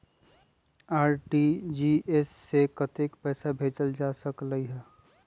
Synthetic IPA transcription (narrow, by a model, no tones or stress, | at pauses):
aːɾʈid͡ʒiːesːekət̪ekpɛːsabʱeːt͡ʃəld͡ʒaːsəkləiɦɛː